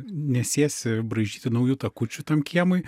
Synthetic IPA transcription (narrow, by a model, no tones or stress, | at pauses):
nʲɛsʲeːsʲɪbɾɐɪʒʲiːt̪ʲɪnɐʊjuːt̪ɐkʊt͡ʃʲʊt̪ɐmkʲiɛmʊɪ